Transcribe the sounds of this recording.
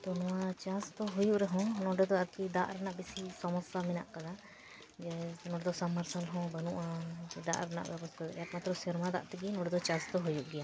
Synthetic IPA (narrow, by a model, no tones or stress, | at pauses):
t̪ɔnɔwat͡ʃãst̪ɔɦujuʔɾɛɦɔ̃nɔɖɛd̪ɔaɾkid̪a̰ʔɾɛnaʔbisisɔmɔsamɛna̰ʔkad̪a | d͡ʒɛnɔɖɛd̪ɔsamːəɾsalɦɔ̃bənuʔad͡ʒɛd̪a̰ʔɾɛna̰ʔɾɛbɔskɔjak̚mat̪ɾɔsɛɾmad̪a̰ʔt̪ɛɡinɔɖɛd̪ɔt͡ʃãst̪ɔɦujuʔɡɛja